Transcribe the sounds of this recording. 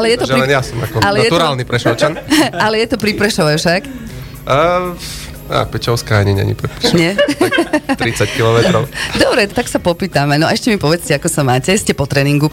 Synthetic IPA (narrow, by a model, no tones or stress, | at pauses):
alɛjɛt̪ɔɛlɛnjasɔma̰kɔalɛajɛt̪uɾaːlnipɾɛʃɔlt͡ʃanalɛjɛt̪ɔpɾipɾɛʃɔʋɛfʃakː | a̰pɛt͡ʃɔʊskaɲɛɲɛ̰ɲɛ̰pɾɛpusɲɛ | t̪ɾit͡sackilɔmɛt̪ɾɔʊd̪ɔbɾɛt̪aksapɔpiːt̪amɛnɔɛʃcɛmipɔʋɛt͡scɛakɔsamaːcɛscɛpɔt̪ɾɛːniŋɡu